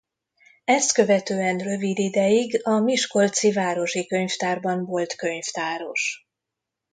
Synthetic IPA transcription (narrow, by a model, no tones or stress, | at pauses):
ɛst̪kø̞vɛt̪øːɛnrø̞vid̪id̪ɛjiɡɒmiʃko̞lt̪sivaːɾo̞ʃikøɲft̪aːrbɒɱvo̞lt̪kø̞ɲft̪aːɾo̞ʃ